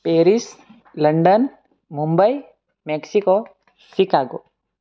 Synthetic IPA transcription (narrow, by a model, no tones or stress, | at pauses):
peɾis | ləɳɖən | mumbəj | meksiko | sikaɡo̰